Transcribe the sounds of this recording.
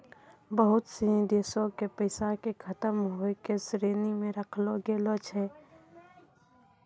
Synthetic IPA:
bəɦʊt̪sĩd̪eːsõkepəɪsakekʰət̪əmɦoekesɾeːnimẽɾəkʰloɡeloːt͡ʃʰɦɛː

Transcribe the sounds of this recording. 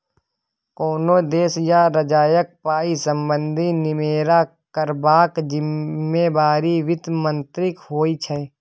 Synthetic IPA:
koːnod̪eːsjaɾəd͡ʒaːjək̚paːisə̃mbə̃nd̪ʱinɪmeːɾa | kəɾbaːkd͡ʒɪmːeːbaːɾiʋɪt̪mə̃nt̪ɾɪkɦoːit͡ʃʰɛː

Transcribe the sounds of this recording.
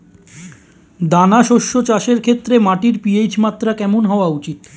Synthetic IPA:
d̪anaʃoʃːot͡ɕaʃeɾkʰet̪ːɾemaʈiɾpiet͡ɕmat̪ːɾakɛmonɦɔoaut͡ɕit̪

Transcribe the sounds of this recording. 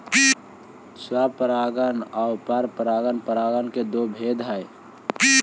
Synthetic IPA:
sapəɾaɡənaʊpəɾpəɾaɡənpəɾaɡənked̪obʱed̪ɦəj

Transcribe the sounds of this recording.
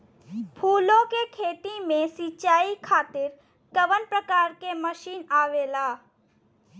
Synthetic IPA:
pʰuːlõkekʰeːt̪imẽsit͡ʃaːikʰaːt̪ɪɾ | kəʋənpɾəkaːɾkeməʃiːnaːʋeːlaː

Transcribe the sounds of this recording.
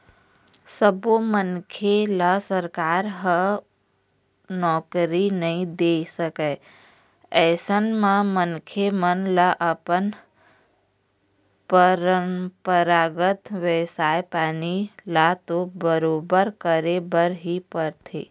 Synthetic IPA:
səbomənkʰelasəɾkaːɾɦə | nɔːkɾinəɦĩd̪eːsəkɛ | ɛːsənmãmənkʰemənlaʔəpən | pəɾəmpəɾaːɡət̪ʋeːsaːepaːnilat̪obəɾoːbəɾkəɾebəɾɦipəɾt̪ʰḛː

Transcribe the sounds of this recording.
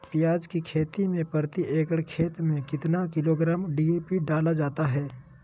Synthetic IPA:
pijaːd͡ʒkikʰeːt̪imẽpɐɾt̪iʔeːɡəɽkʰeːt̪mẽkɪt̪nakɪloɡɾaːmɖiːeːpiɖaːlad͡ʒaːt̪aɦɛː

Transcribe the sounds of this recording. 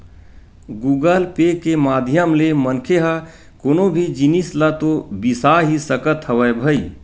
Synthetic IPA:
ɡuɡəlpekemaːd̪ʱjəmlemənkʰeɦə | koːnobʱid͡ʒinislat̪obisaɦisəkət̪ɦəʋəjbʱəi

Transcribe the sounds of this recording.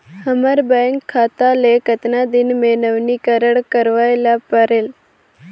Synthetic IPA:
həməɾbɛ̃ŋkʰːaːt̪alekət̪nad̪ɪnmenəʋnikəɾəɽkəɾʋajlapəɾeːl

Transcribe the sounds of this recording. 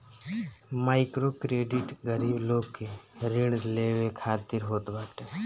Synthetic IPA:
maːɪkɾokɾeːɖɪʈɡəɾiːbloːɡkeɾɪ̃ɽleːʋekʰaːt̪ɪɾɦoːt̪baːʈe

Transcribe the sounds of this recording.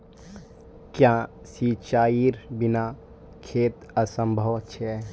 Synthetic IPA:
kjãsit͡ʃaːiɾbɪna | kʰeːt̪əsə̃mbʱəwətːʃʰeɛ

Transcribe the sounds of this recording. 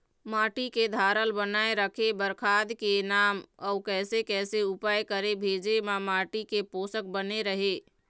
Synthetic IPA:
maːʈiked̪ʱaːɾəlbənaeɾəkʰebəɾkʰad̪kenaːməʊkɛːsekɛːseupajkəɾebʱeːd͡ʒemãmaːʈikepoːsək̚bəneɾəɦe

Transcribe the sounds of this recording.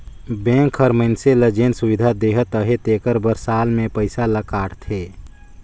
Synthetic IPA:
bẽːŋkʰəɾməɪnseləd͡ʒeːnsuwɪd̪ʱad̪eːɦət̪ːəɦet̪eːkəɾbəɾsaːlmẽpəɪsaləkaːɽt̪ʰeː

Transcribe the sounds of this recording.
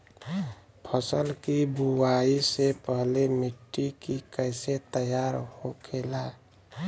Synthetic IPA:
pʰəsəlkibuwaisepəɦlemɪʈːikikəɪset̪əjaɾhokʰeːla

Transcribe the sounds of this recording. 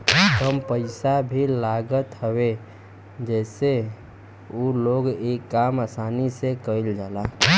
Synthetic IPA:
t̪əmpəɪsabʱilaɡət̪ɦəwe | d͡ʒɛːse | oloːɡekːamasaːnisekəild͡ʒaːla

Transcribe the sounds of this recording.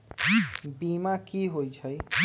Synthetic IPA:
bimakiɦojt͡ʃʰʌj

